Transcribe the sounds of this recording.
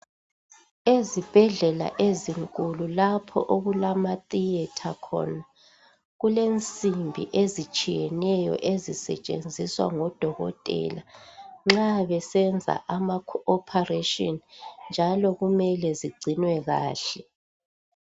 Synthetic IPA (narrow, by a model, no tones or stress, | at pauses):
ezib̥ʱɛɮɛla̰ʔeziŋkʼululapʰɔ̰ʔoɣulamatʼijɛtʰakʰɔ̰na | ɣulent͡sʼimbʱḭʔezit͡ʃʼijɛnɛjɔ̰ʔezisɛ̰t͡ʃʼḛnd͡zʱiswa̰ŋɔd̥ʱɔɣɔ̰tʼɛ̰ːlaŋ͡ǁaβɛsɛnd͡zʱa̰ʔamakʰɔːpʰareʃʼɔnnd͡ʒʱalɔɣumɛlɛziɡ͡ǀʱinwɛɣa̰ːɬɛ